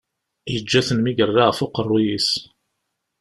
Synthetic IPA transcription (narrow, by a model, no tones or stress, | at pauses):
jəd͡ʒːæθənmiɡərˤːaʁfʊqərˤːujis